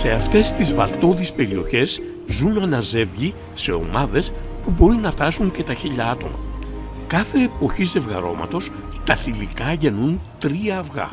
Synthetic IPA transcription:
se̞ɐft̪e̞st̪izvɐ̰lt̪o̞ðispe̞ɾio̞çe̞z | zunɐnɐze̞vʝi | se̞o̞̰mɐðe̞s | pubo̞ɾinɐft̪ɐsuɲce̞t̪ɐçiʎɐɐt̪o̞̰mɐ̰ | kɐθe̞ːpo̞çize̞vɣɐ̰ɾo̞mɐ̰t̪o̞s | t̪ɐθilikɐʝenunt̪ɾiɐːvɣɐ̰

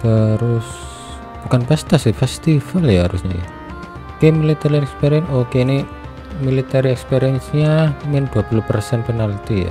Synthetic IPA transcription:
t̪əɾʊs | b̥ukanpɛst̪asifɛst̪ifaljaɦaɾṵsɲa̰ja̰ | kemilit̪aɾiɛkspeɾiɛnokeni | milit̪aɾiɛkspeɾiɛnsɲamɪnd̪̥uapuluhpərsɛnpənalt̪ija̰

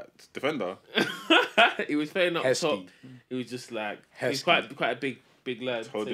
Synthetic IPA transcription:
d̥ɪfɛ̃ndə | ɪʔ̚wɒz̥feɪ̃nʌtʰɔɪʔ̚wɒzd͡ʒʌstlaɪk̚ | skʰwaɪtkʰw̥aɪtəbɪɡ̚ | b̥ɪɡlɛ̥o

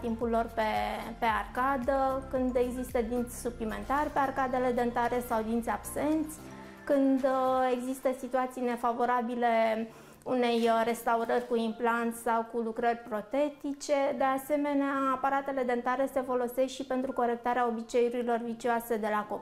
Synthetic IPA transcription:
t̪impulːo̞rpe̞pe̞arkad̪əkɨnd̪e̞ɡzist̪əd̪int̪sʲsuplime̞nt̪arʲpe̞arkad̪e̞le̞d̪eənt̪aɾe̞sawd̪int̪sʲab̥se̞nt̪sʲ | kɨnd̪e̞ɡzist̪əsit̪uat̪sijne̞favo̞ɾabile̞ | une̞jre̞st̪auɾərʲkuimplant̪sʲsawkulukɾərʲpɾo̞t̪e̞t̪it͡ʃe̞d̪e̞ase̞me̞neaːpaɾat̪e̞le̞d̪ənt̪aɾese̞fo̞lo̞se̞sʃipe̞nt̪ɾuko̞ɾe̞k̚t̪aɾeao̞bit͡ʃe̞juɾilo̞rvit͡ʃioase̞d̪e̞lakop

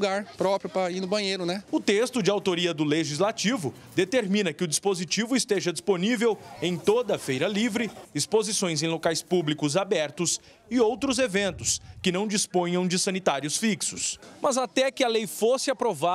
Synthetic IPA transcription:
ɡaɾpɾɔpɾjʊpɾɐinʊbɐ̃j̃ejɾʊnɛʊt̪est̪ʊd͡ʒɪawt̪oɾiɐd̪ʊleʒizlat͡ʃivʊ | d̪et̪eɾmĩnɐkɪʊd͡ʒispozit͡ʃivʊist̪eʒɐd͡ʒisponivewẽj̃t̪od̪ɐfejɾɐlivɾɪispozisõj̃zẽj̃lokajspublikʊzabɛɾt̪ʊs | ɪowt̪ɾʊzevẽnt̪ʊskɪnɐ̃w̃d͡ʒispõj̃ɐ̃w̃d͡ʒɪsɐ̃nit̪aɾjʊsfiksʊsmɐzat̪ɛkɪɐlejfosɪapɾova

